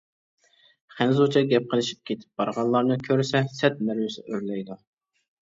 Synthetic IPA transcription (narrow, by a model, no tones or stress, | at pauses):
χænzut͡ʃʰɑɡʲɛp̚qʰəlˠɨʃi̥p̚kʲʰet̪ʰɪ̥p̚bɑɾʁɑllːˠɑɾnɨkʲʰøɾsɛsɛt̪̚mæɾwɪsɪʔøɾlɛjd̪u